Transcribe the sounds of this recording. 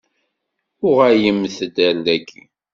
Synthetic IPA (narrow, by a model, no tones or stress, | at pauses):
ʊʁæjəmːθəd̪æɾːækʰːi